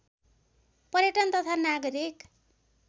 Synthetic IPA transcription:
pʌɾjeʈʌnt̪ʌt̪ʰanaɡʌɾik

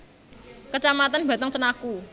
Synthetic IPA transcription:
kət͡ʃamat̪anbä̤t̪əŋt͡ʃənaku

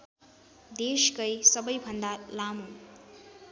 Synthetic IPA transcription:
d̪eskʌjsʌbʌjbʱʌnd̪alamu

